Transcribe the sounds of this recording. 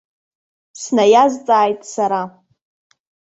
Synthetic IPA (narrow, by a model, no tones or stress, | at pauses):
snajazt͡sʼaːjtʼsaɾa